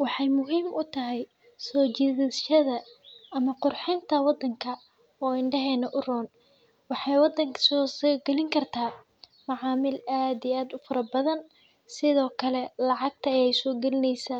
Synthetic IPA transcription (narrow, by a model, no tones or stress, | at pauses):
wɑħɑjmʊɦiːmʊt̪ʰɐɦɛj | sɔːt͡ʃiðɪʃɐðɐɐmɐqʊrħɪnt̪ʰɐwɑd̪ːɐŋkʰɐ | ɔːɪɳɖɐɦɛːnɐʔʊrɔːn | wɑħɑjwɑd̪ːɐŋkʰɐ̥sɔːsɔːɡɛlɪŋkʰɐrt̪ʰaː | mɑʕɑːmɪlaːd̪ijaːd̪ʊfɐɾɐbɐðɐn | sɪðɔːkʰɐlɛlɑʕɑɡ̚t̪ʰɐːjɛjsɔːɡɛlɪnɛjsaː